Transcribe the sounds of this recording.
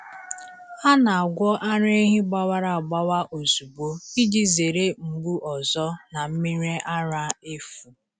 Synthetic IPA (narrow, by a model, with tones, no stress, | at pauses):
a˦na˨a˨ɡʷɔ˦ʔa˦ɾe˦e˦ɦi˦ɡ͡ba˦wa˦ɾa˨a˨ɡ͡ba˦wa˦ʔo˨zu˨bo˦i˦d͡ʒi˦ze˨ɾe˦m̩˨ɡ͡bu˦ʔɔ˨zɔ˦na˨m̩˦mi˦ɾe˦ʔa˦ɾa˦e˦fu˨